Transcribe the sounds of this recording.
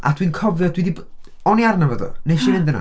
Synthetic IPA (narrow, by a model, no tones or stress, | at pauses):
ʔa̰dwinkʰɔvjɔdwidib | ɔniarnavəðɔ̰nejʃivɪndəna̰